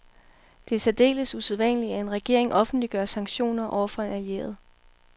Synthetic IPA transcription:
d̥e̝sæd̥e̝̰ːləsuseðˠʋæn̰liæe̝nʁɛɡ̥e̝ɐe̝ŋʔɒ̽fn̩d̥liɡ̥ɶːɐsɑ̈ŋɡ̥ɕo̝̰ːnɐʔɒ̰ʊ̰ɐfɒ̽e̝næiḛɐð̞ˠ

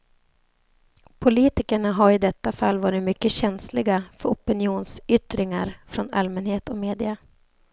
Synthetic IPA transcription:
pʰʊliːt̪ɪkəɳaɦaɾɪd̪ɛt̪ːafalːvɑːɾɪt̪mʏkːəɕɛnslɪɡafœɾɔpɪnɪuːnsʏt̪ɾɪŋa̰ɾfɾɔna̰lmɛnheːt̪ɔmeːd̪ɪa

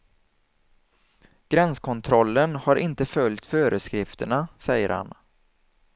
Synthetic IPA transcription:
ɡ̥ɾɛnskʰɔnt̪ʰɾɔlːənhaɾʔɪnt̪əfœljt̪føːɾəskɾɪft̪əɳasɛjːə̰ɾha̰n

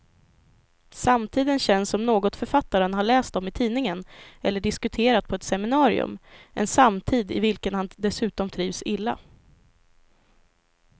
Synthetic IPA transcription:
samt̪ʰiːd̪ənɕɛnsɔmnoːɡɔt̪fœɾfat̪ːaɾənɦaɭɛːst̪ɔmɪt̪ʰiːnɪŋənɛlːəɖɪskɵt̪ʰeːɾat̪̚pʰɔɛt̪sɛmɪnɑːɾɪ̰ɵ̰mʔɛ̰nsamt̪ʰiːd̪ɪ̰vɪlkənhand̪ɛsʉ̟ːt̪ɔmt̪ʰɾiːvsɪlːa̰

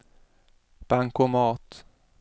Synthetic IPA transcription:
b̥aŋkomɑːt̪

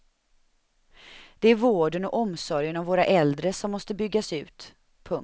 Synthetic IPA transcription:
d̪̥ɛæɾvoːɖənɔʔɔmsɔɾjənɔvoːɾaʔɛld̪ɾəsɔmːɔst̪əbʏɡːasʉ̟ːt̪ | pʰɵŋ

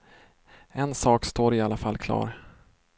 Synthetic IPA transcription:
ɛnsɑːkst̪oːɾɪalafalːkʰlɑ̰ːɾ

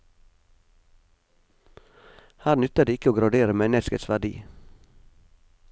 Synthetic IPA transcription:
hæːɾnʉt̪əd̪iːɪkəoːɡɾɑɖeːɾəmɛnəskəsʋæɖḭː

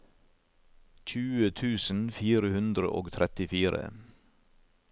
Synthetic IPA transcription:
c͡çʉːət̪ʰʉːsn̩fiːɾəhʉnd̪ɾə̰ʔoːɡt̪ʰɾɛt̪ɪfiːɾə̰

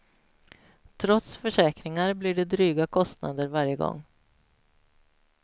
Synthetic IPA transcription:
t̪ʰɾɔt̪sfœʂɛːkɾɪŋaɾblɪɖɛd̪ɾyːɡakʰɔst̪na̰d̪əɾvaɾjəɡɔ̰ŋː

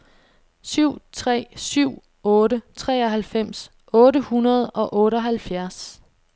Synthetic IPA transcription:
syʊ̰t͡sʰʁɛ̰ːsyʊ̰ | ɔ̽ːɾət͡sʰʁɛ̰ːɒ̽ɦælfem̰s | ʔɔ̽ːɾəhunɐð̞ˠɒ̽ʔɔ̽ːɾəɒ̽ɦælfjæɐs

